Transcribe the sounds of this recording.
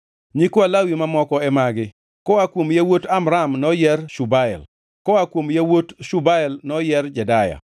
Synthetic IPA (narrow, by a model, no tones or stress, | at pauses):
ɲikwalawimamɔkɔɛmaɡɪ | kɔwakwomjawotamɾamnɔjɛrʃubaɛ̰l | kɔwakwomjawotʃubaɛlnɔjɛrd͡ʒɛdaja̰